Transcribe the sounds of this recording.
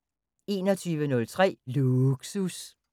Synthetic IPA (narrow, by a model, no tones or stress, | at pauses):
e̝̰ːnɒt͡sʰyːʋənɔ̽lt͡sʰʁɛ̰ːluɡ̥sus